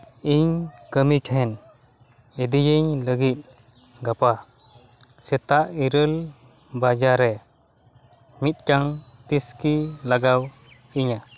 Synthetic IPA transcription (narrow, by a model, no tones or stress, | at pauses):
iɲkəmikʰɛn | id̪ijiɲləɡit̪̚ | ɡapa | sɛt̪aʔiɾəl | bad͡ʒaɾɛ | mit̪̚kaŋt̪iskilaɡaw | iɲa